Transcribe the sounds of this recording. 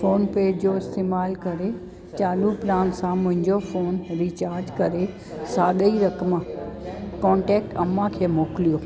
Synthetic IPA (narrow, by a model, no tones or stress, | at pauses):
foːnpeːd͡ʑd͡ʑoɪst̪eːmaːlkɐɾe | t͡ɕaːluplaːnsãmʊ̃ɦɪ̃ɲd͡ʑofoːnɾiːt͡ɕaːɾd͡ʑkɐɾe | saːɗəiɾɐkəmã | kɔ̃ːɳʈɛːk̚ʈɐmãkʰeːmoːkɪlijoː